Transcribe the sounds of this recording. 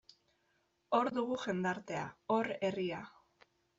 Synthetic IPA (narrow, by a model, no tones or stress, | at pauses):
o̞ɾðuɣuʝe̞nd̪aɾt̪e̞a̰o̞ɾe̞ria